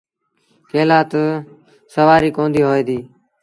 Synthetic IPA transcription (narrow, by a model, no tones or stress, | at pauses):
keːlaːt̪ | səʋaːɾiːkõːnd̪iːɦoːeːd̪iː